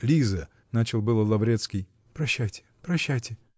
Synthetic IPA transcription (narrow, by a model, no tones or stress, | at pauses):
lʲizə | nat͡ɕɪlˠbɨlˠəlˠɐvɾʲet̪skʲɪj | pɾɐɕːæjtʲɪ̥pɾɐɕːajtʲɪ